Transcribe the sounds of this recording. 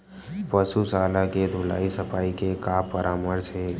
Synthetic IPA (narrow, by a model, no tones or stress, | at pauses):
pəsusaːlaked̪ʱula̰ːisəpʰaːikekapəɾʔaːməɾt͡ʃʰe